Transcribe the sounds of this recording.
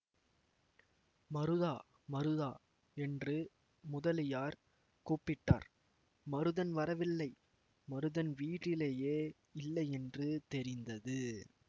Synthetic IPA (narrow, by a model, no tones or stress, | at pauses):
mɐɾɯðaː | mɐɾɯðaː | ɛndrɯ | mʊðɐlɪjaːɾ | kuːpːɪʈːa̰ːɾ | mɐɾɯðɐnʋɐɾɐʋɪlːɐɪ | mɐɾɯðɐnʋiːʈːɪleːjeː | ɪlːɐɪɛndrɯt̪ɛɾɪnd̪ɐðɯ